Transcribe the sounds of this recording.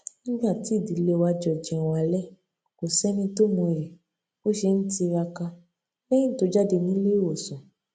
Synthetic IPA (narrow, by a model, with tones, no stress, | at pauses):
nĩ˦ɡ͡ba˦˨ti˨˦˨di˨˦le˧wa˧d͡ʒɔ˨d͡ʒɛ̃˨a˨˦lɛ˦ | ko˨sɛ˦mĩ˧to˦mũ˧˨ɾe˨ | o˦ʃe˧n̩˦ti˧ɾa˧ka˧ | lɛ̃˦ĩ˦to˨˦d͡ʒa˦de˧nĩ˨˦le˦wo˨sɔ̃˨